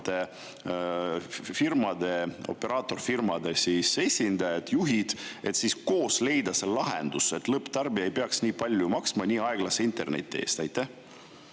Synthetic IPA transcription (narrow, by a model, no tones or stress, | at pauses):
t̪e | firmɑd̪e̞o̞̰pːe̞ɾʔɑːt̪ːˑo̞rfirmɑd̪e̞siːse̞sʲind̪̥ɑjɑd̪̥juɦid̪̥e̞t̪siːsko̞ːsle̞jd̪ɑse̞llɑɦend̪̥use̞t̪lɤpːˑt̪ɑrbiɑejpeɑksnʲiːpɑlʲːjumɑksmɑnʲiːɑeɡ̥lɑseint̪ˑe̞̰rnḛt̪ʲːˑie̞̰ːst̪ɑjt̪ˑːæh